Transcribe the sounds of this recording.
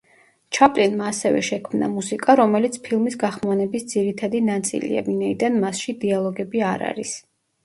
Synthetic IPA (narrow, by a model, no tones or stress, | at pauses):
t͡ʃʰapʼlinmaːsɛvɛ̰ʃɛkʰmna̰musikʼaɾɔmɛlit̪sʰpʰilˠmisɡaχmanɛbisd̪ziɾit̪ʰad̪inat̪sʼḭlḭa̰minaid̪anmasʃid̪ialˠɔɡɛbiaɾa̰ɾis